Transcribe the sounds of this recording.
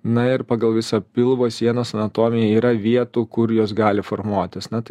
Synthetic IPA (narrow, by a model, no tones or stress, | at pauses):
nɐɪɾpɑːɡɐlˠʋʲɪsopʲɪlˠʋoːsʲiɛnoːsɐnɐt̪oːmʲɪjɛiːɾɐʋʲiɛt̪uːkʊɾjoːs̬ɡɑːlʲɪfoːɾmuɔt̪ʲɪsnɐt̪ɪ